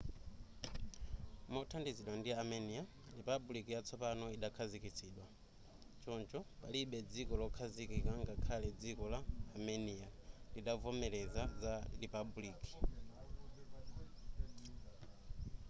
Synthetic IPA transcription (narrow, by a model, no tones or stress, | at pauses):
mɔtʰandiziɗwandiamɛnija | lipabulikijat͡sʰɔpanɔiɗakʰazikit͡sʰiːɗwa | t͡ʃɔnt͡ʃɔpaliɓɛd͡zikɔlɔkʰazikikaŋɡakʰalɛd͡zikɔlaːmɛnijadiɗavɔmɛlɛzazalipabuliːki̥